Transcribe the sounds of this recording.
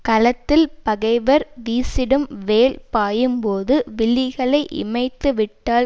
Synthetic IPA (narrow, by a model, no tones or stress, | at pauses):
kɐlɐt̪ːɪlpɐɣɐɪʋɐɾʋiːsɪɽɯmʋeːlpaːjɯmpoːðɯʋɪɭːɪɣɐɭɐɪʔɪ̰mɐɪt̪ːɯʋɪʈːaːl